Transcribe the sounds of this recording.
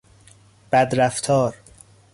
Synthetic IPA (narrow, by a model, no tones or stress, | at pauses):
b̥æd̪ɾæft̪ʰɒːɾ